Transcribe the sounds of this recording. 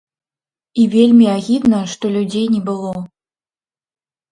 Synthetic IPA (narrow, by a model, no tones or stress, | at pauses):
ivʲelʲmʲiaɣʲid̪nɐʂt̪ɔlʲud͡zʲejnʲɛbɨlˠɔ